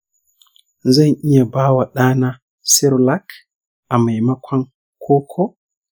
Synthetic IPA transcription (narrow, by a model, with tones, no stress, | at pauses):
za˦nʔi˦ja˨baː˦wa˨ɗaː˦na˦ | si˦ɾla˦k | ʔa˨ma˨jma˦kʷʰa˦n | kʰoː˦kʰo˦